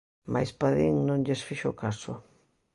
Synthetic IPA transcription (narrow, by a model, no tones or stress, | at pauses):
mʔa̰jspaðiŋnõŋʎesfiʃokasʊ